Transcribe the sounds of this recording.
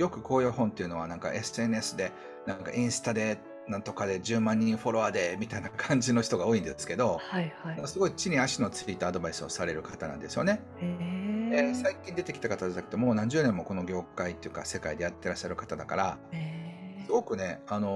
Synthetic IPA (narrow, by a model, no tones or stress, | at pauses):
jo̞kɯ̟ko̞ːjoːhɦõ̞nt̪e̞iɯ̟no̞β̞anãŋka̰ʔe̞sɨe̞nɯe̞sɨd̪e̞ | nãŋka̰ʔĩɰ̃sɨ̥t̪ad̪e̞ | nãnt̪o̞kad̪e̞d͡ʑɨːmãɲ̟ːĩɰ̃ɸo̞ɾo̞βad̪e̞mʲit̪ainakʰãɲ̟d͡ʑino̞çʲi̥t̪o̞ɡaoːĩnd̪esɨ̥ke̞d̪o̞hahaosɨɡo̞it͡ɕiɲ̟iaɕino̞t͡sɨ̥ɾʲit̪ːoaad̪o̞baisɨo̰saɾe̞ɾɯ̟kat̪anã̰nd̪e̞sɨjo̞ne | desaikʲĩnd̪e̞t̪e̞kʲit̪akat̪ad̪et̪ake̥t̪omo̞ːnãɲ̟d͡ʑɨːnẽ̞mːo̞ko̞no̞ɡʲo̞ːkait̪ːejɯ̟ka̰se̞kaid̪e̞jat̪ːe̞ɾaɕːaɾɯ̟kḁt̪ad̪akaɾa | sɨɡo̞kɯ̟ne̞ano̞